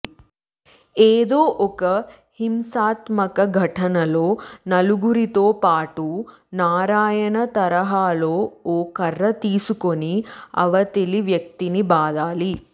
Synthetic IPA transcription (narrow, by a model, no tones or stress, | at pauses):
eːd̪oːʔɔkɐ | himsaːt̪mɐkɐɡʱɐʈʰɐnɐloːnɐluɡuɾit̪oːpaːʈu | naːɾaːjɐnɐt̪ɐɾɐɦaːloːoːkɐrːɐt̪iːsukoniɐ̰ʋɐt̪eliʋjɐk̚t̪inibaːd̪aːli